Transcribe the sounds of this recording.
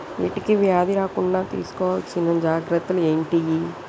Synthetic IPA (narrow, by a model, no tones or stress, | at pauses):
ʋḭːʈikiʋjaːd̪iɾaːkuɳɖaːt̪ḭːsu̥kɔːʋaːlsinːɐmd͡ʒaːɡɾɐt̪ːulueːɳʈiji